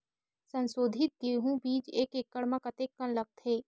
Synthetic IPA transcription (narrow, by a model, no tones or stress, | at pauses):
sɐ̃nsoːd̪ʱɪt̪̚ɡieɦũbiːd͡ʒeːkeːkːɐɽmakət̪eːkːənlɐɡ̚t̪ɦeː